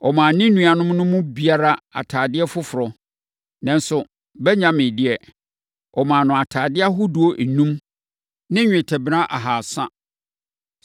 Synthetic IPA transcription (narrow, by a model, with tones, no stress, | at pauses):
ɔ˨mã˨nɪ̃˦nũ˨a˨nʊ̃˦mnʊ̃˦mʊ̃˦bi˨a˦ɾa˦a̰˨tʰaː˨dɪ˦ɛ˦fʊ˦fʊ˨ɾɔ˨ | nã˨n˦sʊ˨ | bɛ˦ɲã˦mɪ̃˨dɪ˦ɛ˨ | ɔ˨mã˨nʊ̃˨a˨tʰaː˨dɪ˦a˦ɦʊ˦du˦o˦ʔe˨nũ˦m | nɪ̃˦ɲᶣ˨ɛ̃˨tʰæ˨bɾã˦ʔa˨ɦaː˨sã˦